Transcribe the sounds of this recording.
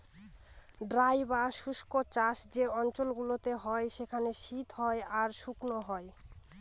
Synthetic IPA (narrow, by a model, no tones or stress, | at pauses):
ɖɾajbaʃuʃkot͡ɕaʃd͡ʑeɔnt͡ɕolɡulot̪eɦɔeʃekʰaneʃit̪ɦɔeaɾʃuknoɦɔe